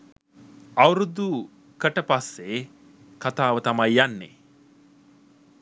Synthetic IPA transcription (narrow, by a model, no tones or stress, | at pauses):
ɐwɾud̪u | kəʈəpasːe | kat̪aːʋət̪amajjanːḛ